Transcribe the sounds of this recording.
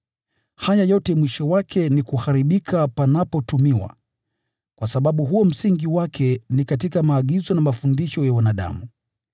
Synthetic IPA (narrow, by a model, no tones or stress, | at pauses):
hajajɔtɛmwiʃɔwakʰɛnikuhaɾiɓikʰapanapɔtumiwa̰ | kwasaɓaɓuɦuɔm̩siŋɡiwakʰɛnikatikamaːɠizɔnamafundiʃɔjawanaɗa̰mu